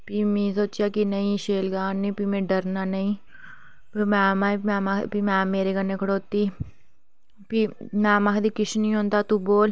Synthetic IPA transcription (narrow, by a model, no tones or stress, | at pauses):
piːmẽːsoːt͡ʃjaːkinəĩːʃeːlɡaːnːĩːpimẽːɖəɾnaːnəĩː | pimɛ̃ːmamɛ̃ːmapimɛ̃ːmeːɾeːkənːeːkʰəɽoːt̪iː | pimɛ̃ːmakd̪iːkɪʃnəĩːɦõːnd̪aːt̪uːboːl